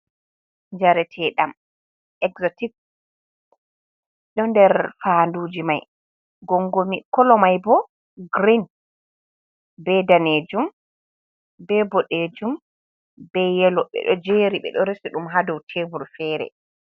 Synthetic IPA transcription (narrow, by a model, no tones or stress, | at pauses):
ɲd͡ʒaɾɛtʰɛɗam | ʔɛɡzɔtik̚ | ɗɔndɛɾfanduːd͡ʒima̰j | ɡɔŋɡomikɔlɔmajbɔ | ɡɾin | bɛdaned͡ʒum | bɛbɔɗed͡ʒum | bɛjɛlɔɓɛ̰ɗɔd͡ʒeːɾiɓɛ̰ɗɔɾesiɗumɦadɔwtʰebuɾfɛːɾɛ̰